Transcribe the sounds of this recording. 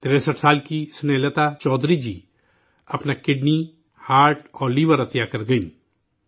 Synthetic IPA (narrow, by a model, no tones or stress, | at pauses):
t̪ɪɾɛsəʈʰsaːlkisʊneːlət̪at͡ʃɔːd̪ɾid͡ʒiː | ɐpnakɪɖni | haːɾʈɔːɾliːʋəɾɐt̪jakɐɾɡɐĩː